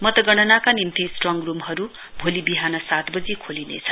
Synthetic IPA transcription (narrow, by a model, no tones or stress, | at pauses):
mʌt̪ʌɡʌɽ̃ʌnakanimt̪isʈrʌŋrumɦʌɾu | bʱolibiɦanʌsat̪bʌd͡zikʰolinḛt͡sʰʌ̥